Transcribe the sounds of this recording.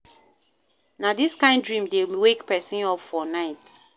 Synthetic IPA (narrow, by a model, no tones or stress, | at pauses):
nadiskãɪ̃ndɹĩmdewekpɛsĩnɔpfɔnaɪt